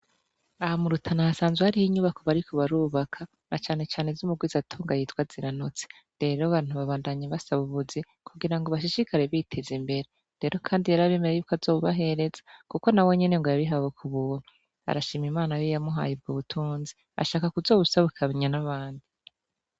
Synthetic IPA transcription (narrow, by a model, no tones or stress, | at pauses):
ahamuɾutʰanahasaːnzwehaɾihiɲuβako̞βaɾikoβaɾuːβakʰa | nat͡ʃaːne̞t͡ʃaːne̞zumuɡwizatʰuːŋɡajitwaziɾanut͡se̥ | ɾe̞ɾoaβaːin̥huβaβaːndaɲaβasaβuβuzi | kʰuɡiɾaŋɡoβaʃ̬iʃikaɾe̞βitʰe̞zimbe̞ɾe | ɾe̞ːɾo̞kʰaːndijaɾaβeːmeɾajuːkazo̞ːβuβaɦe̞ɾe̞zḁkuko̞nawe̞ɲe̞ne̞ŋɡojaβiɦawekʰuβuːn̥hu | a̰ɾaʃiːmimaːnajijamuɦa̰jib̚ɡuβutʰuːnzi | a̰ʃaːkakuzo̞ːβusaβukʰaβeɲanaβaːndi